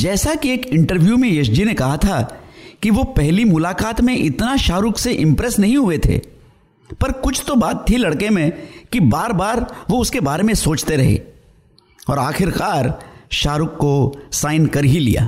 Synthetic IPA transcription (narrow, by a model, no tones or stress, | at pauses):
d͡ʒɛːsakieːkɪ̃ɳʈəɾʋjumẽjɐʃd͡ʒinekɐɦat̪ʰakiʋopɛɦlimʊlaːkaːt̪mẽʔɪt̪naʃaːɾʊkseʔɪ̃mpɾɛsnɐɦĩɦʊet̪ʰḛː | pɐɾkʊt͡ʃʰt̪obaːt̪̚t̪ʰilɐɽkemẽkibaːɾbaːɾʋoʊskebaːɾemẽsoːt͡ʃt̪eɾɐɦḛː | ɔːɾaːxɪɾkaːɾʃaːɾʊkːosaːɪnkɐɾɦilḭja̰ː